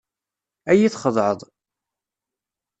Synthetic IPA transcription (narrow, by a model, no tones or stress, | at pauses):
æjiθχəðˤʕəðˤ